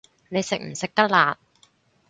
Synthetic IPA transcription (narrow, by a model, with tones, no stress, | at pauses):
ne˨˧jsɪ˨k̚m̩˨˩sɪ˨k̚t̪ɐ˥k̚laː˨˧t̚